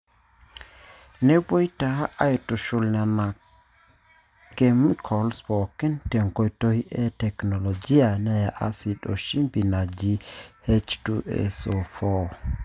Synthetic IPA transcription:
nɛbojtaaʔajtuʃulnana | kemikʰɔlspɔkintɛŋkojtohiʔɛtɛknolod͡ʒijanajaʔasiɗo̰ʃimpinad͡ʒihet͡ʃtuʔɛ̰sofo

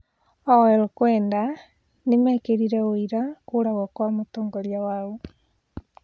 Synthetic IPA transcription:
ɔɛɾokwɛːnda | nemɛkeɾiɾɛoiɾakoːɾaɣɔkwamotoːŋɡɔɾiawaɣo

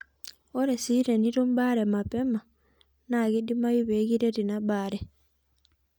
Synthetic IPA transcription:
oɾesiɾeniɾumbaɾemapɛma | naɡidimajuβeɡiɾeɾinabaɾe

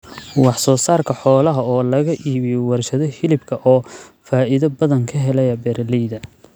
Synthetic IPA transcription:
wɑħsɔːsaːrkʰɐħɔːlɐɦɐɔːlɐɣɐʔiːβɪjɔwɑrʃɐðɔhɪlɪbkʰɐʔɔːfaːɪðɐbɐðɐŋkʰɐɦɛlɛjɐbɛɾlɛjðɐ

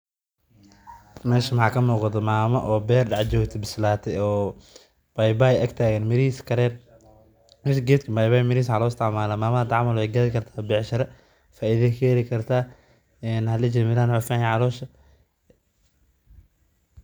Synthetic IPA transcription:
mɛːʃɐmɐħɑːkʰɐmuːqɑðɐmaːmɐʔɔːbɛːrɖɑʕt͡ʃɔːkt̪ʰɐbɪslaːt̪ʰɛɔː | bajbaːjʔɐɡt̪ʰaːɣɐnmɪɾiːskʰɐɾɛːn | mɛːʃɐɡɛːt̪kʰɐbajbaːjmɪɾiːs̬ħalɔːɪst̪ʰɪʕmaːlaːmaːmɐad̪ʕɑmɐlwɛjɡɐðɪkʰɐrt̪ʰaːbɛʕʃɐɾɐ | faːʔiðɛkʰɛɛɾɪkʰɐrt̪ʰaː | ɛːnhɐlɐt͡ʃɪmɪɾaːnʊfaːhɛʕɑlɔːʃɐ

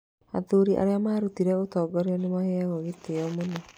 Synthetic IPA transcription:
a̰ðuɾiʔa̰ɾeamaːɾutiɾɛotɔːɡɔɾeɔnemaɦɛɣɔɣeteɔmonɔ

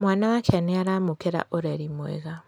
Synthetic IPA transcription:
mwaːnawakʰaneaɾamukeɾa̰ʔoɾeɾimwḛɣa

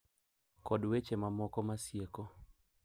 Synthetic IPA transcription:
kɔdwet͡ʃemamɔkɔmasjekɔ

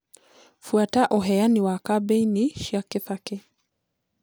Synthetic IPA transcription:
fuataʔɔɦɛjaniwakabɛiniʃiakiθakɛ

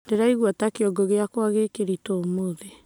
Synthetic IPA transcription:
deɾaiɣuatakeɔɡoɣeakwaɣekeɾitoːmoðe

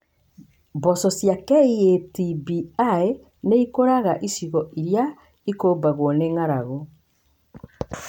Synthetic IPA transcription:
bɔsɔsjakɛietibiae | neikoɾaɣaʔisiɣɔiɾja | ikoːbaɣwɔneŋaɾaɣɔ

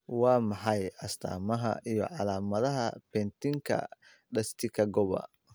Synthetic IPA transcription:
wɑːmɑħɑjɐst̪ʰa̰ːmɐɦɐ̰ijɔ̰ʕɑlaːmɐðɐɦɐpɛnt̪ʰɪŋkʰɐ̰ | ɖɐst̪ʰɪkʰɐɡɔβɐ̰

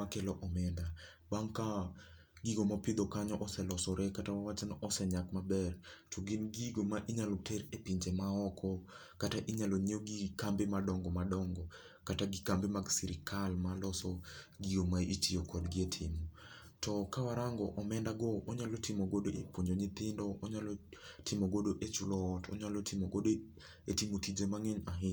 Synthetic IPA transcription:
akelɔʔɔmɛnda | baŋka | ɡiɡomapɪd̪ɔkaɲɔʔɔsɛlɔsɔɾʔɛkatawawat͡ʃɛnɔʔɔsɛɲakmabɛrtʰuɡɪnɡiɡomaʔiɲalɔteɾepiɲd͡ʒemaɔkʰɔ | kataʔiɲalɔɲioɡikambemadɔŋɡɔmadɔŋɡɔ | kataɡikambemaɡsiɾɪkʰalmalɔsɔɡiɡomait͡ʃijokʰɔdɡɪetʰɪmɔ | tʰɔkawaɾaŋɡɔʔɔmɛndaɡɔʔɔɲalɔtɪmoɡodoʔepoɲd͡ʒoɲɪt̪ɪndɔʔɔɲalɔtʰɪmoɡodoʔet͡ʃulɔːtʰɔ̰ɲalɔtɪmoɡodo | etimotid͡ʒemaŋeɲaɦɪ

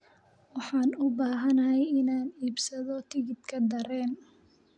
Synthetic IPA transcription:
wɑħɑːnʊbaːɦɐnɐɦɛjɪnaːniːbsɐðɔt̪ʰɪɣɪd̪kʰɐd̪ɐɾɛːn

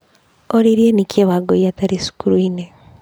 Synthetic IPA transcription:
oɾiɾienikjeβaɡoiataɾisu̥kuɾuine

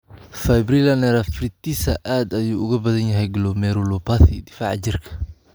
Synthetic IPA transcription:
fɛjbrilɐnɛɾɐfrɪt̪isɐʔaːd̪ɐjuːʊɣɐbɐðɐnjɐɦɛjɡɪlɔmɛɾɔlɔpʰaθɪd̪ɪfa̰ːʕt͡ʃɪrkʰɐ̥

